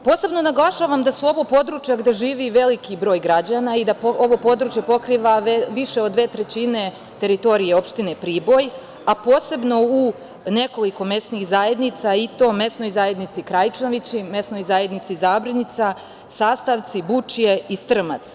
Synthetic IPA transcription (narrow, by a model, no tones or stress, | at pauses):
po̞ːse̞bno̞naɡlˠaʃaːʋamd̪asuo̞ʋo̞po̞d̪ɾut͡ʃjaɡd̪eʒiːʋiʋe̞likibɾo̞ːjɡɾad͡ʑanaid̪aoʋo̞po̞d̪ɾut͡ʃjepo̞kɾiːʋaʋiʃeod̪ːʋe̞ːt̪ɾe̞t͡ɕine̞ | t̪e̞ɾit̪o̞ɾijeo̞pʃt̪inepɾiːbo̞j | apo̞ːse̞bno̞u | ne̞koliko̞me̞snixzaje̞d̪nit̪sait̪o̞ːme̞sno̞jzaje̞d̪nit̪sikɾajt͡ʃnoʋit͡ɕime̞sno̞jzaːje̞d̪nit̪sizaːbɾanit̪sa | saːst̪aʋt̪sibut͡ʃije̞ist̪r̩ma̰t̪s